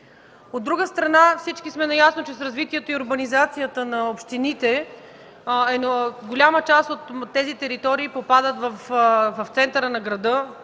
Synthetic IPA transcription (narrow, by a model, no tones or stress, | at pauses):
od̪ːɾuɡəst̪ɾɐnafsit͡ʃkismɛnɐjasnot͡ʃɛsɾɐzvit̪iɛt̪oiʊɾbɐnizat̪sijət̪ənɐopʃt̪init̪ɛ | ɛnɡolʲamət͡ʃast̪ot̪ːɛzit̪ɛɾit̪ɔɾiːpopad̪ət̪vɐfvɐft̪sɛnt̪əɾənɐɡɾɐd̪ɤ